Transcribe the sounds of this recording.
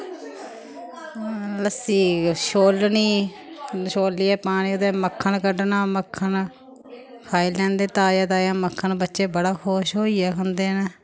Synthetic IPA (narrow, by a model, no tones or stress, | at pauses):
ləsiːʃoːlniː | ʃoːlːiːɛːpaːɽ̃iːʊd̪eːməkʰːəɳkəɖnaːməkʰːən | kʰaːiːlɛ̃ːnd̪eːt̪aːjaːt̪aːjãːməkʰːənbətːʃeːbəɽaːxoːʃɦoːiːɛːkʰənd̪eːnː